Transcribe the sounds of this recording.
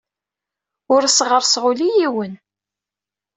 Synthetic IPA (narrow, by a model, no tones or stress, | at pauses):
ʊɾsʁəɾsʁʊlijiwən